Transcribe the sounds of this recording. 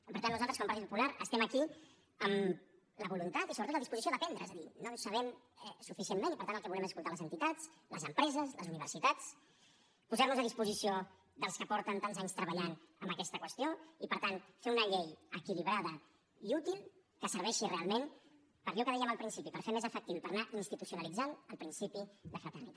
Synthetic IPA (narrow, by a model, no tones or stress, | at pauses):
pəɾt̪anːuzalˠt̪əskɔmpɾt̪it̪pupulaɾəst̪ɛməki | əm | ləβulunt̪at̪isoβɾtot̪ləðispuzisioðəpɛnd̪ɾəezəðinosəβɛm | ɛsufisiemmẽnipəɾt̪anəlˠkɛβulɛməskulˠt̪aləzənt̪it̪at͡slə̰zəmpɾɛzəzlə̰zuniβ̞əɾsit̪at͡s | puzaɾnuzəðispuzisio | ðəlˠskəpɔɾt̪ənt̪anzaɲst̪ɾəβəʎanəmbəkɛst̪əkwəst̪joipəɾt̪anfeunəʎejəkiliβɾaðə | iut̪ilˠ | kəsəɾβɛʃirealˠmẽn | pəɾʎɔkəðɛjəməlˠpɾinsipipəɾfeɾmezəfək̚t̪iwpəɾnaʔinst̪it̪usiunəlid͡zanəlˠpɾinsipiðəfɾət̪ərnit̪a